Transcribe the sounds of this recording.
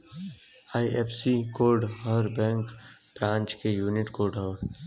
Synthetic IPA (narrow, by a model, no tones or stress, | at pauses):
aːiʔefsikoːɾɖɦɔɾbɛ̃ːŋkb̥ɾãːnt͡ʃkejuːnɪʈkoːɾɖɦɔ